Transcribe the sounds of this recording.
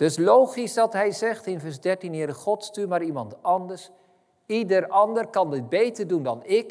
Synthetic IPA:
d̥ɵslowχisdɑtɦɛjzɛχtɪnvɛɹzdɛɹtinɦɪːɾəχɔtstymaːɾimɑntɑndəɹs | idəɹɑndərkɑndɪd̚bejtəɹdundɑnɪk

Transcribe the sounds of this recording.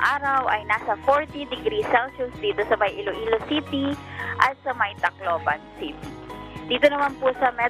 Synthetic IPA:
ʔaːɾɐwʔɐjnaːsɐfoɹt̪id̪ɪɡɾisɛlsʊsd̪iːt̪osɐmɐjʔiloʔilosiːt̪iʔɐt̪̚sɐmɐjt̪ɐkloːbɐ̰nsiːt̪id̪̥iːt̪onɐmanpʊsɐmɛ

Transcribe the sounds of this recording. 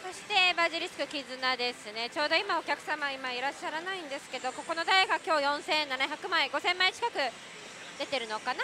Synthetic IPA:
so̞ɕi̥t̪e̞baʑiɾʲisɨ̥kɯ̟kʲizɨnad̪e̞sɨnet͡ɕo̞ːd̪o̞imao̞kʲakɯ̟̥samaimaiɾaɕːaɾanaĩnd̪e̞sɨ̥ke̞d̪o̞ko̞ko̞no̞d̪aeɡakʲo̞ːjõ̞ɰ̃sẽ̞nːanaçjakɯ̟maiɡo̞sẽ̞mːait͡ɕi̥kakɯ̟ | d̪̥e̞t̪e̞ɾɯ̟no̞kana

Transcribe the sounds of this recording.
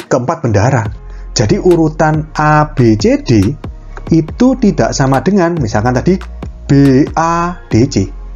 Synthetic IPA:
kəəmpat̪̚b̥əndaɾḁ | d͡ʒ̥a̤diʔuɾut̪anʔab̥et͡ʃed̥e | it̪ut̪id̥a̰ʔsamaɖ̥əŋanmisalkant̪ad̥i | b̥eʔad̥et͡ʃe

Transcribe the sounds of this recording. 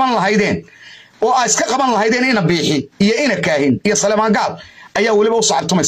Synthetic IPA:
ɐnlɐɦɐjðɛːnɔːaːɪskʰɐqɑβɐnlɐɦɐjðɛːnɪnɐbiːħɪijɔɪnɐkʰaːhɪnijɔsɐlɛjmaːŋɡaːb̚ʔɐjaːwɑlɪβɐʊsɔːʕɑbt̪ʰʊmɛjs

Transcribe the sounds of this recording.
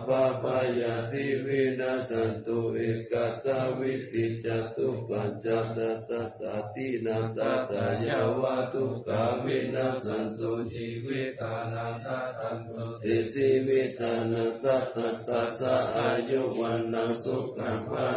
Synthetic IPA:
papajat̪iʋinasant̪oekat̪awit̪it͡ʃat̪upaɲt͡ʃat̪at̪at̪at̪inat̪at̪ajawat̪ukaβinasant̪od͡ʒiʋit̪ana | t̪esiʋit̪anat̪at̪at̪asaajowanːasokama

